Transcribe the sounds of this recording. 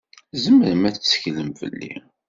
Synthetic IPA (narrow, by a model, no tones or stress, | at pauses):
zəmːəɾmæt͡sːə̥çləmfə̰lːḭ